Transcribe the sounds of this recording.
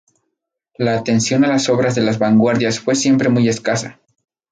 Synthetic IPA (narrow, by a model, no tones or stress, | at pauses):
laːt̪e̞nsjo̞nalaso̞βɾazðe̞lazβaŋɡwaɾðjasfwe̞sje̞mpɾe̞muje̞skasa